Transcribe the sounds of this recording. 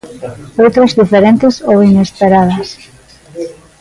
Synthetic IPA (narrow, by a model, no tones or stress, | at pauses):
owt̪ɾazðifeɾent̪ɪsowinespeɾaðɐs